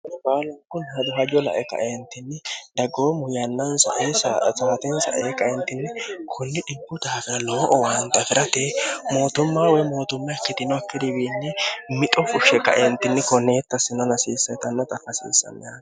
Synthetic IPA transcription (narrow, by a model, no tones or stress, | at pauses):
nbaːlɐŋkːʊnhɐd̪ʊɦɐd͡ʒɔlɐ̰ʔɛkɐ̰ʔeːnt̪ːɪnːɪd̪ɐɡoːmʊjɐnːɐnsɐ̰ʔeːsaːt̪ɛnsɐ̰ʔeːkɐʔɛnt̪ːɪnːɪkʰʊnːɪᶑɪbːʊd̪aːfɪɾɐloːʔɔwaːnt̪ɐfɪɾɐt̪eːmo̞ːt̪ʊmːaːwɔjmo̞ːt̪ʊmːɐjɐkːɪd̪ɪnɔɐkːɪd̪ɪbiːnːɪmɪt̪ʼɔfʊʃɛkɐ̰ʔeːnt̪ɪnːɪkɔnːeːt̪ːɐsɪnɔnɐsiːsːɐt̪ɐnːɐt̪ʼɐfɐsḭːsːɐ̰mːɪjaːn